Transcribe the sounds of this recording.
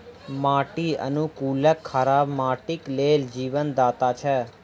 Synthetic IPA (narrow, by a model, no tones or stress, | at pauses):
mãːʈiə̰nũkuːləkʰːəɾabmaːʈikleld͡ʒiːʋənd̪aːt̪at͡ʃʰɛ